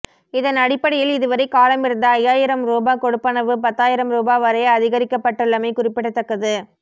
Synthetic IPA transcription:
ɪðɐnɐɽɪpːɐɽɪjɪlɪðɯʋɐɾɐɪkaːlɐmɪɾɯnd̪ɐɐjaːjɪɾɐmɾoːbaːkɔɽɯpːɐnɐʋɯpɐt̪ːaːjɪɾɐmɾoːbaːʋɐɾɐjɐɐðɪɣɐɾɪkːɐpːɐʈːɯɭːɐmɐɪkʊrɪpːɪɽɐt̪ːɐkːɐðɯ

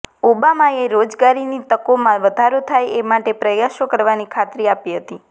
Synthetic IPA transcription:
obamaeɾod͡ʒɡaɾinit̪əkomãʋəd̪ʱaɾot̪ʰajemaʈepɾəjaʃokəɾʋanikʰat̪ɾiapiɦət̪i

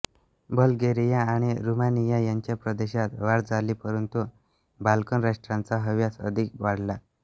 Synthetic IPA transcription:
bəlɡeɾijaːɽ̃iɾumanijajaɲt͡ɕjapɾəd̪eɕat̪ʋaɽd͡zalipəɾənt̪u | balkənɾaʂʈɾãnt͡saɦəʋjasə̰d̪ʱik̚ʋaɽ̤la

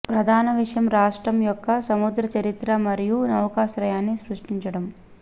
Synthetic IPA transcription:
pɾɐd̪ʱaːnɐʋiʂɐjɐmɾaːʂʈɾɐmjɔkːɐsɐmud̪ɾɐt͡ʃɐɾit̪ɾɐmɐɾijunɐwkaːʃɾɐjaːnːisɾuʂʈiɲt͡ʃɐɽɐm

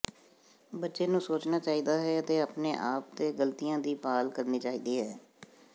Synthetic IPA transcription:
bətːʃeːnũːsoːt͡ʃnaːt͡ʃaːiːd̪aːɦɛːət̪eːaːpneːʔaːp̚t̪eːɡəlt̪ijãːd̪iːpaːlkəɾniːt͡ʃaːiːd̪iːɦɛː

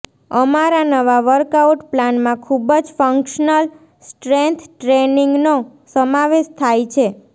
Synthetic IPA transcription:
əmaɾanəʋaʋəɾkauʈplanmãkʰubəd͡ʒfəŋkʃənəl | sʈɾent̪ʰʈɾeniŋɡnosəmaʋeʃt̪ʰajt͡ʃʰe

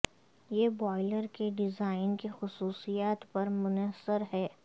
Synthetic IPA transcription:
jeːbɔːɪləɾkeɖɪzaːɪnkixʊsuːsijaːt̪pɐɾmʊnəsːəɾɦɛː

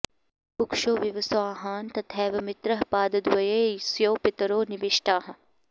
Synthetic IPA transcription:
pʊkʃoːʋjɐʋɐsʋaːɦaːnt̪ɐt̪ʰɛːʋɐmɪt̪ɾɐɦpaːd̪ɐd̪ʋɐjeːsjoːpɪt̪ɐɾoːnɪʋɪʃʈaːɦɐ

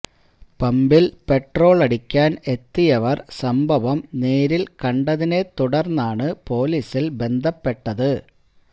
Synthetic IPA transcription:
pɐmbilpe̞ʈro̞ːɭɐɽikʲːaːne̞t̪ːijɐʋɐrsɐmbʱɐʋɐmne̞ːɾilkɐɳɖɐðine̞t̪uɽɐrnːaːɳɨpo̞ːliːsilbe̞nd̪ʱɐpːe̞ʈːɐðɨ

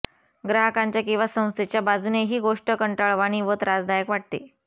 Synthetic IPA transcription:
ɡɾaɦəkaɲt͡ɕjakĩw̃ʋasə̃w̃st̪ʰet͡ɕjabad͡zuneɦiːɡoʂʈəkəɳʈaɭʋaɽ̃iːʋət̪ɾad͡zd̪ajəkʋaʈ̚t̪ḛ

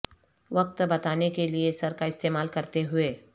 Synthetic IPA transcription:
ʋɐk̚t̪bɐt̪aːnekeliesɐɾkaɪst̪eːmaːlkɐɾt̪eɦʊeː

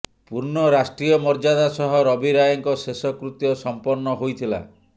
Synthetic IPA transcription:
puɾnɔɾasʈɾijɔmɔɾd͡ʒad̪asɔɦɔɾɔbiɾajɔŋkɔsesɔkɾut̪jɔsɔmpɔɾnɔɦojt̪ʰila̰

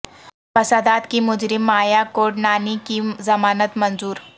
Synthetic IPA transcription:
fɐsaːd̪aːt̪kimʊd͡ʒɾɪmːaːjakoːɖnaːnikizɐmaːnət̪mɐ̃nzuːɾ

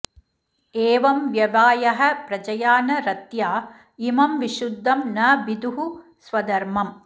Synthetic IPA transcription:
eːʋɐmʋjɐʋaːjɐɦɐpɾɐd͡ʒɐjaːnɐɾɐt̪jaː | imɐmʋiʃud̪ʱːɐmnɐʋid̪uɦu | sʋɐd̪ɐɾmɐm

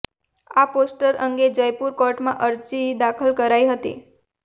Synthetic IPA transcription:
aposʈəɾəŋɡed͡ʒəjpuɾkɔɾʈmãʔəɾt͡ʃid̪akʰəlkəɾajɦət̪ḭ

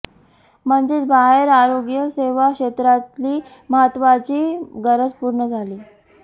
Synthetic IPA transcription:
m̤əɳd͡zet͡sbaɦeɾaɾoɡjəseʋakɕet̪ɾat̪liː | məɦət̪ʋat͡ɕiːɡəɾəd͡zpuɾɳəd͡zʱaliː

